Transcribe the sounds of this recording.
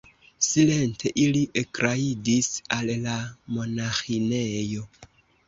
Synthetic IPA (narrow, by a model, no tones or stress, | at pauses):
silentʰe̞ʔiliʔekɾaidisallamo̞naxinejo̞